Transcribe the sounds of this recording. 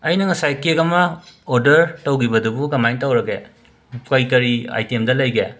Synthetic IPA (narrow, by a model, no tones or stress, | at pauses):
ɐjnɐŋɐsajkekɐmɐoɾdɐɾtɐwɡibɐdubuɡɐmajntɐwɾɐɡe | kɐjkɐɾia̰jtemdɐlɐjɡe